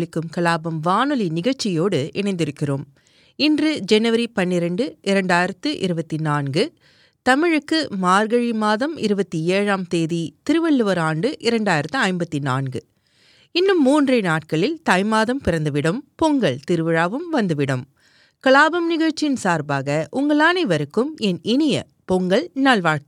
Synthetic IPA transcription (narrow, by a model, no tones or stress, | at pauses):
ɭɪkːɯmkɐɭaːbɐmʋaːnɯlinɪɣɐɻt͡ʃːɪjoːɽɯʔɛɳɐɪnd̪ɪɾɯkːɪroːm | ɪndrɯd͡ʒɛnɯʋɐɾipɐnːɪɾɐɳɖɯʔɪɾɐɳɖaːjɪɾɐt̪ːɯʔɪɾɯbɐt̪ːinaːnɡɯ | t̪ɐmɪɻɯkːɯmaːɾɡɐɻimaːðɐmɪ̰ɾɯbɐt̪ːieːɻaːmt̪eːðit̪ɪɾɯʋɐɭːɯʋɐɾaːɳɖɯʔɪɾɐɳɖaːjɪɾɐt̪ːɯɐɪmbɐt̪ːinaːnɡɯ | ɪnːɯmːuːndrɐɪnaːʈ̚kɐɭɪlt̪ɐɪmaːðɐmpɪɾɐnd̪ɯʋɪɽɐmpɔŋɡɐɭt̪ɪɾɯʋɐɻaːʋɯmʋɐnd̪ɯʋɪɽɐm | kɐɭaːbɐmnɪɣɐɻt͡ʃːɪnsaːɾbaːɣɐʔʊŋɡɐɭaːneːʋɐɾɯkːɯmɛnʔɪnɪjɐ̰ | pɔŋɡɐɭnɐɭʋaːɻk